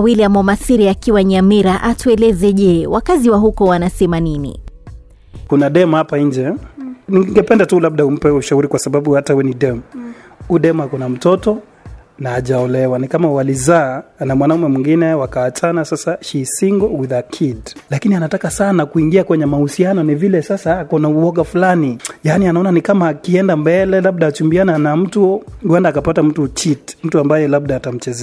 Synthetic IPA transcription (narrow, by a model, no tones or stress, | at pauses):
wiliamɔmasiɾiakiwaɲamiɾaʔatuɛlɛzɛʄɛwakaziwaɦukɔwanasɛmaninḭ | kunaɗɛmuhapaiɲd͡ʒɛniŋɡɛpɛndatulaɓ̚ɗaum̩pɛuʃauɾikwasaɓaɓuhatawɛniɗɛmu | uɗɛmuhakunam̩tɔtɔ | naːʄaɔlɛwanikamawalizaːnamwanaumɛmwiŋɡinɛwakaːt͡ʃanasasaʃisiŋɡɔwiðakʰidlakinianatakasanakuiŋɡiakwɛɲɛmahusianɔnivilɛsasaakɔnauɔɠafulanijanianaɔnanikamaːkiɛndambɛlɛlaɓ̚ɗaːt͡ʃumbiananam̩tuɡwɛndaːkapatam̩tut͡ʃitm̩tuambajɛlab̚ɗaːtam̩t͡ʃɛzɛ